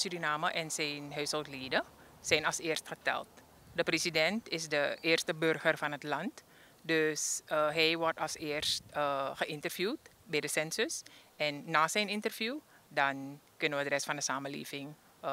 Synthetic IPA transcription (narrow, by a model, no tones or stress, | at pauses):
syrinaːməʔɛnsɛjnɦœɥsholˠtliːdə | sɛjnɑlsɪːrstxətɛ̰lˠt̚ | dəpresidɛntɪsdəʔɪːrstəbørɣərfɑnɦətlɑnt | døsəɦɛjʋɔrtɑsɪːərstəχəɪntərvjuːtbɛjdəsɛnsøsʔɛnːaːsɛjnɪntərvju | dɑnkɵnənʋədrɛsfɑndəsaːməlḛːvɪŋ